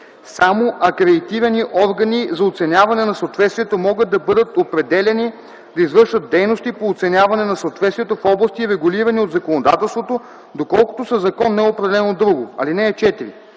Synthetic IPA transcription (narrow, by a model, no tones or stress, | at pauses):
samoʔɐkɾɛd̪it̪ivɛniʔɔɾɡɐnizɐot̪sɛnʲavɐnɛnɐsoot̪vɛt̪st̪vʲiɛt̪omɔɡəd̪̚d̪ɐbɤd̪ət̪opɾɛd̪ɛlɛni | d̪ɐizvɤɾʃvət̪̚d̪ɛjnost̪ipoːt̪sɛnʲjavɐnɛnɐsoːt̪vɛt̪st̪viːɛt̪ofɔblˠɐst̪iɾɛɡʊliɾɐniod̪zɐkonod̪a̰t̪ɛlˠst̪vot̪o | d̪okɔlˠkʊ̥t̪osɐzɐkɔnːɛɛopɾɛd̪ɛlɛnod̪ɾuɡoɐ̰linɛːt͡ʃɛt̪iɾḭ